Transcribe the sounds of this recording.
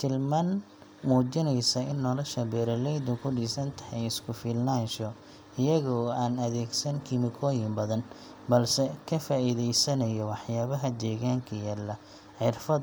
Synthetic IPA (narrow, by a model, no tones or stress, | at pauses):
t̪ʰɪlman | muːt͡ʃɪnɛjsɐɪnːɔlɔʃɐbɛːɾɐlɛjd̪ʊkʰʊɖiːsɐnt̪ʰɐ̥hɛjɪskʰʊfɪlnaːnʃɔ | ɪjɐɣɔːaːnɐðɛːɡsɐŋkʰɪmɪkʰɔːjɪmbɐðɐn | bɐlsɛkʰɐfaːiðɛjsɐnɐjɔwɑħjaːβɐɦɐd͡ʒɛːɣaːŋkʰɐjaːlɐ | ħɪrfɐ